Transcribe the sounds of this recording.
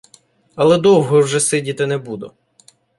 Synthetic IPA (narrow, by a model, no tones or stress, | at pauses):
ɐlˠɛd̪ɔwɦɔwʒɛsɪdʲit̪ɪnɛbud̪ʊ